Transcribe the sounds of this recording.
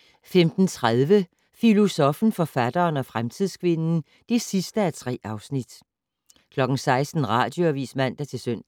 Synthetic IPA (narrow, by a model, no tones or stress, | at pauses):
femd̥n̩t͡sʰʁaðˠʋə | filo̝sɒ̽fn̩fɒ̽fæd̥ɐːnɒ̽fʁamt͡sʰið̰ˠskʰʋe̝nn̩ | d̥e̝sisd̥əæt͡sʰʁɛ̰ːɑ̈ʊsnid̥ | kʰlɒ̽ɡ̥n̩sɑ̈ɪsd̥n̩ʁɑ̰̈ːd̥jo̝æʋḭːsmæn̰d̥æt͡sʰe̝søn̰